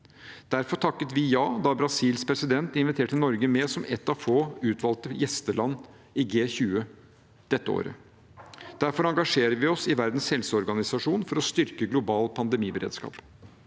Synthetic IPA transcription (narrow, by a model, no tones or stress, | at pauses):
d̪̥æɾfɔɾʈʰɑkːət̪ʋɪjɑːd̪ɑbɾɑsiːlspʰɾɛsɪd̪ɛnt̪ɪnʋɪt̪ʰeːʈɪnɔɾɡəmeːsɔmɛt̪ːɑʋfoːʉːt̪ʰʋɑlt̪əjɛst̪əlɑnː | ɪɡeːçʉːə | d̪̥ɛt̪ːəo̰ːɾə̰ | d̪̥æɾfɔɾɑŋɡɑʂeːɾəʋɪɔsɪʋæɾd̪n̩shɛlsəɔɾɡɑnɪsɑʂuːnfɔɾɔst̪ʏɾkəɡlʊbɑːlpʰɑnd̪ɛmiːbəɾḛːd̪skɑ̰ːp